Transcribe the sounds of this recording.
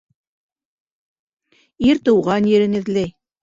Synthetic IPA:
iɾt̪ɤ̆wʁɑnjɘ̆ɾɘ̆nɘ̆ðlæj

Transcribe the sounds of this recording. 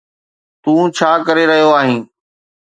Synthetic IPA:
t̪ũːt͡ɕʰaːkəɾeɾɐɦijoaːɦĩː

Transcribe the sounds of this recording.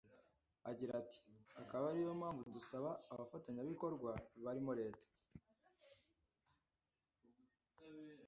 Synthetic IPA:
aɟiɾati̥akaβaɾijomhaːɱvuudusaβaːβafataɲaβiko̞ɾɡwaβaɾimoɾe̞ːtḁ

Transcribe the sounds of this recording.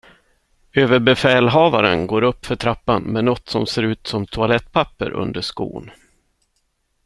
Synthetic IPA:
øːvəɾbɛfɛːlɦɑːvaɾə̰nɡoːɾɵpːfœʈʰɾapːanmɛnɔt̪ːsɔmseːɾʉ̟ːt̪sɔmt̪ʰʊalɛt̪ːpʰapːə̰ɾʔɵ̰nd̪əʂkṵːn

